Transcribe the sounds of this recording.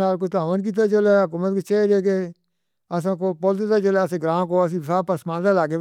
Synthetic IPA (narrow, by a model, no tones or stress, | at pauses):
aːlkot̪aːʋənk̬it̪̬at͡ʃəleːɦʊkuːmət̪kot͡ʃeːɾeːke | əs̬ãːkoːpoːld̪et̪aːt͡ʃəleəsẽːɡɾãːkoːəs̬ĩːsaːpəsmãːnt̪alaːkeː